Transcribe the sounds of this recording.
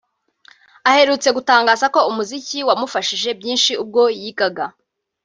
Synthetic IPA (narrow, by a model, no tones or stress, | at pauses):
ahe̞ɾuːt͡se̞ɡutaːŋɡaːzako̞umuziciwamufaʃiʒe̞bjiːnʃiub̚ɡo̞jiɡaɡa